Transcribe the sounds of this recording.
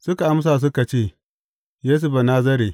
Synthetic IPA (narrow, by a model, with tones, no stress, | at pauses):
sʊ˦ka˨ʔa˦ms̬aː˨s̬ʊ˦ka˨t͡ʃeː˦˨ | jeː˦s̬ʊ˦ba˨naː˦zɐ˦ɾeː˨